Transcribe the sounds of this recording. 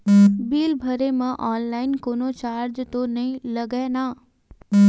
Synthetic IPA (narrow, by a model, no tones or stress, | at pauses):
biːlbʱɐɾemãʔɔːnlaːɪnkoːnot͡ʃaːɾd͡ʒt̪onɐɦĩlɐɡenaː